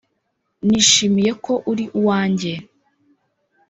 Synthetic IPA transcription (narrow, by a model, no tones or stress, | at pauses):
niːʃimije̞ko̞ʔuɾiʔuwaːɲɟe̞